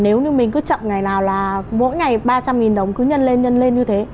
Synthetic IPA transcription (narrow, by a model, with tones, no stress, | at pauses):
ne˨˦wɲɨ˧mï˨˩ŋ̟kɨ˨˦t͡ɕə̰˧˨mŋa˨˩jnaː˨˩wlaː˨˩mo̰˧˥jŋa˨˩jɓaː˧t͡ɕa˧mŋi˨˩nɗə˨˩wŋ͡mkɨ˨˦ɲə˧nle˧nɲə˧nle˧nɲɨ˧t̪ʰe˨˦